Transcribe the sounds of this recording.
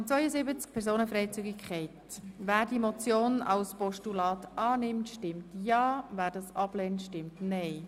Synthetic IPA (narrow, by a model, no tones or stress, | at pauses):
t͡sʋœʏəzɪbət͡sk̚pʰɛɾzoːnəfɾɛɪt͡syɡɪkʰχɛɪtʋæːɾdimɔt͡sjoːnɑ̰lspɔʃtulɑːt̪ɑːnɪmtʃtɪmtjɑːvæːɾdɑsɑb̥lɛntʃtɪmtnɛɪ